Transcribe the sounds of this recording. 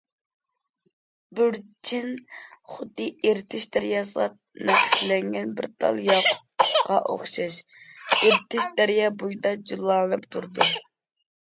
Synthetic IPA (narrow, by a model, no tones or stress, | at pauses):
byɾt͡ʃʰinχʊd̪ːɨeɾt̪ʰɪʃd̪ɛɾjɑslɑt̚ | nɛχɪ̥klɛŋɡʲɛnbɪ̰ɾt̪ʰɑ̰lˠjɑq | qɑʔo̰χʃɑʃeɾt̪ʰɪʃd̪æɾjɑbujd̪ɑd͡ʒulˠːɑːwɛpt̪ʰuɾd̪u